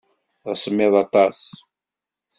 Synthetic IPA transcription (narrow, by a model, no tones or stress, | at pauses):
ðəsəmːɪðˤɑt̪ˤɑs